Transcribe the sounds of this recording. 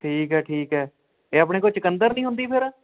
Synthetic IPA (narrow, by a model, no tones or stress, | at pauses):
ʈʰiːkɦɛːʈʰiːkɦɛː | eːaːp̬ɳ̃eːk̬oːt͡ʃɪkənd̪əɾnĩːɦʊ̃nd̪iːpʰɪɾ